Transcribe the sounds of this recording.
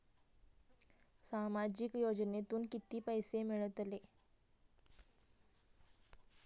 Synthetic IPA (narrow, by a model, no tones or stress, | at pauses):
samad͡ʑikjod͡ʑnet̪uːnkit̪iːpəjsemiɭət̪le